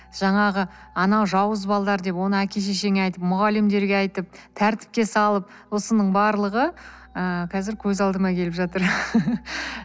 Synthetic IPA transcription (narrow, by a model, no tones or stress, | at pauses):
ʒ̥ɑɴɑʁə | ɑnɑwʒɑwəzbɑlˠd̪ɑɾd̪e̞pwo̞nəækʲʰe̞ʃ̬eʃe̞ŋʲɑjt̪əpmʊʁɑlɪmd̪e̞ɾɡʲeɑjt̪əp̚t̪ʰæɾt̪ɪ̥p̚kʲe̞sɑlˠəp̚ | wo̞sənəɴbɑɾlˠəʁə | əkʲʰɑzɪɾkʲʰɵzɑlˠd̪əmɑkʲʰe̞lɪpʒɑt̪əɾ